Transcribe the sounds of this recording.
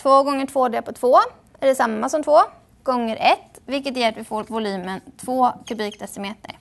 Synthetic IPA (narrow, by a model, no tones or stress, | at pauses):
t̪ʰvoːɡɔŋːəʈʰvoːɖ̪ɛpʰɔt̪ʰv̥oː | æɖɛsamːasɔmt̪ʰvoː | ɡ̥ɔŋːəɾʔɛt̪ː | vɪlkət̪jɛːɾat̪vɪfoːɾvʊlʉ̟ːmənt̪ʰvoːkʰɵbiːkd̪ʰɛsɪmeːt̪ə̰ɾ